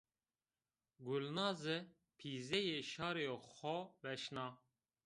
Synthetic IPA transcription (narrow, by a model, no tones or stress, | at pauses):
ɡulnɑːzɨ | pʰiːzɛjeʃɑːɾejoxɔvɛʃnɑː